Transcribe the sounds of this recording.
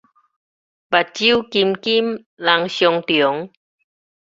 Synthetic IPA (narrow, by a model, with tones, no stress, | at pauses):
ba˨˩t͡ɕi˦˥˨wki˧mki˥˨m | la˧ŋɕjo˧ŋt̪i˨˩ə˦ŋ